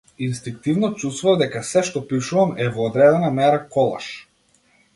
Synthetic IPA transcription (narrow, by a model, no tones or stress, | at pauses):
inst̪iŋk̚t̪ivnɔt͡ʃust̪vuvad̪ɛkasɛʃt̪ɔpiʃuvamɛvɔːd̪ɾɛd̪ɛnamɛɾakɔlˠa̰ʃ